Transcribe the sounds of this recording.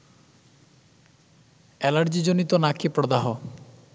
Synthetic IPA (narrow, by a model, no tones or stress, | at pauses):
ɛlaɾd͡ʑid͡ʒonit̪onakʰipɾɔd̪aɦo